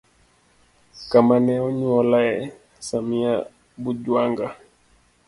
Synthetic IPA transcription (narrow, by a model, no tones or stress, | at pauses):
kamanɛɔɲwɔlaɛ | samia | buɟwaŋɡa